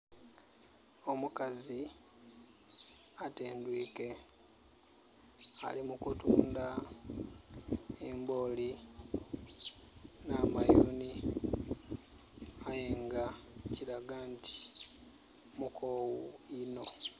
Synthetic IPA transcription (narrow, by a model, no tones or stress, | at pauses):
o̞mukazi | ateːndwiːke̞ | a̰limukutuːnda | emboli | naːmajoni | ajeːŋɡaciɾaɡaːnti̥ | mukʰowuino̞